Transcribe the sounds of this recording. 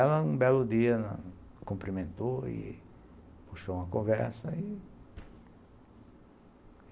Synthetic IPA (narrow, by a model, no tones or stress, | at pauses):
ɛlɐũbɛlʊd̪iɐnɐ | kõmplimẽnt̪oɪ̰ | puʃoũmɐkõvɛɾsɐɪ